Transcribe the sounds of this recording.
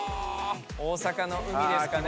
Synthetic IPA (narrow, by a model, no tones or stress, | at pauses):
oːsakano̞ʔɯ̟mʲid̪eska